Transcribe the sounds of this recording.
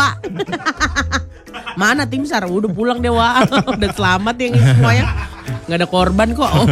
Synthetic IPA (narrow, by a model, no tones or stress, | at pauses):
a | manat̪ɪmsaɾaudapulaŋdiawaudasəlamat̪̚jaŋsəmuajaŋ | ɡaːdakɔrbankɔʔ